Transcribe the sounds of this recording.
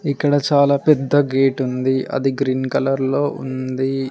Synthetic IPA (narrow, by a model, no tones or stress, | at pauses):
ikːɐɽɐt͡ʃaːlaːpɛd̪ːɐɡeːʈund̪iʔɐ̰d̪iɡɾiːnkɐlɐɾlo̞ːʔṵnd̪i